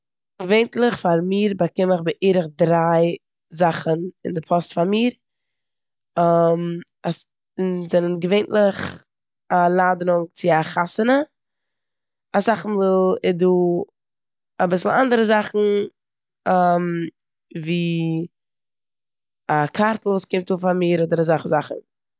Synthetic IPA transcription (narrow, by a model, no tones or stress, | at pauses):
ɡveɪntlˠɪχfaɾmiːɾbakɪməχbɪʔiːɾəχdɾaɪ | zaχənɪ̰ndɪpʰɔstfaɾmiːɾ | əm | as | ɪnzɛnənɡəveɪntlˠɪχ | alˠaːdəɾʊŋt͡sɪaχasənə | asaχn̩vɪlɪduː | abɪsl̩ˠandəɾəzaχn̩ | əm | viː | akʰaɾtl̩ˠvuːskɪmtuːfamiːɾodəɾəzaχəzaχn̩